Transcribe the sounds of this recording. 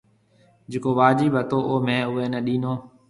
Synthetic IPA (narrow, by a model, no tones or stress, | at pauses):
d͡ʒeːkoːʋaːd͡ʒiːbət̪oːʔoːmẽːʊʋeːnɛ̃ːɗĩːnoː